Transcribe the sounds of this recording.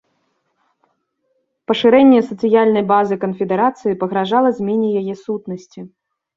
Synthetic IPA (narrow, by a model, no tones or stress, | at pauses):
pɐʂɨɾɛnʲːɛsɐt̪sɨjalʲnɐjbazɨkɐnfʲɛd̪ɛɾat̪sɨjipɐɣɾaʐalˠɐzʲmʲɛnʲɛjajɛsut̪nɐsʲt͡sʲi